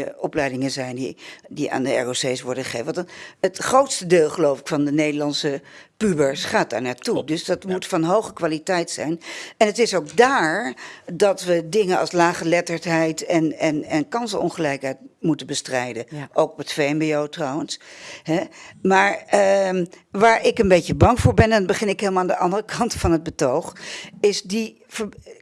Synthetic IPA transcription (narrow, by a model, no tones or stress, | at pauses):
əɔplɛjdɪŋənzɛjndḭdiʔa̰ːndəɛ̰ɹosejsʋɔɹdəχə̥ejfətətχrowtstədeːlˠχəlowfɪkfɑndənejdəlɑnsəpybəɹsχaːt̚d̥a̰ːɹnaːɹtudɵsdɑtmutfɑnɦowχəkʋaːlitɛjtsɛ̰jnɛnətɪsowk̚daːɹdɑtʋədɪŋənɑ̰lˠslaːχəlɛtəɹtɦɛjtɛnɛnɛnkɑnsənɔ̰nχəlɛjkɦɛjtmutəbəstrɛjdəʔowkɔpətfejmbiowtrɑwənsɦɛmaːɹə | ʋaːɹɪkənbejcəbɑŋvʊːɹbɛnɛndɑnbəχɪnɪkɦelˠmaandəʔɑndərəkɑntfɑnɦəd̚bətowχɪsdi | fə